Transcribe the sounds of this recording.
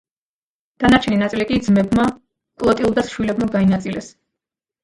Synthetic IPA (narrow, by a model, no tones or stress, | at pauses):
d̪̥anaɾt͡ʃʰɛninat̪sʼilikʼid̪zmɛbma | kʼlˠɔt̪ʼiulˠd̪asʃwilɛbmaɡainat̪sʼilɛs